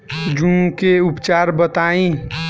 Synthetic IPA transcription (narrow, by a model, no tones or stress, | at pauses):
d͡ʒũkeupt͡ʃaːɾbət̪aĩ